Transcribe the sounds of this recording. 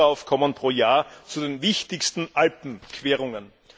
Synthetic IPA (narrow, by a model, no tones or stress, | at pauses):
aʊfkʰɔmənpʁ̥oːɐjaːɐt͡sudeːnvɪçtɪçstn̩ʔalpm̩kʰv̥eːʁʊŋən